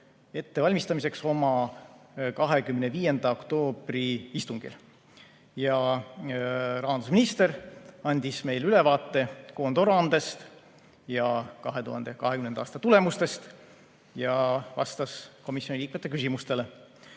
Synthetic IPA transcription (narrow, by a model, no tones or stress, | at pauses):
e̞t̪ːe̞vɑlʲmist̪ɑmise̞kso̞mɑ | kɑɦe̞kymneviːje̞nd̪̥ɑokt̪o̞ːb̥riist̪uŋɡ̥ḭl | jɑ | rɑɦɑnd̪usminist̪e̞ɾɑnʲd̪̥ʲisme̞jlyle̞vɑːt̪ːe̞ko̞ːnd̪oɾɑnd̪̥e̞st̪ | jɑkɑɦe̞t̪uhɑnd̪ekɑɦekymnend̪ɑɑːst̪ɑt̪ule̞must̪e̞st̪ | jɑvɑ̰st̪ɑsko̞misjonʲiliːk̚met̪ːˑe̞k̬ysimust̪e̞le̞